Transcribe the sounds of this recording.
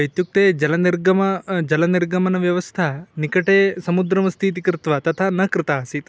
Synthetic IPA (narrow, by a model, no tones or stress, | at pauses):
ɐjt̪juk̚t̪eːd͡ʒɐlɐniɾɡɐmɐd͡ʒɐlɐniɾɡɐmɐnɐʋjɐʋɐst̪ʰɐnikɐʈeːsɐmud̪ɾɐmɐst̪ʰit̪̬ikɾɪt̪ʋɐt̪ɐt̪ʰanɐkɾɪt̪aːsit̪